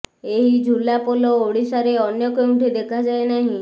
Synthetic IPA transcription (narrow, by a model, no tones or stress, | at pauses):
eɦid͡ʒʱulapolɔoɽisaɾeɔnjɔkeũʈʰid̪ekʰad͡ʒaenaɦĩ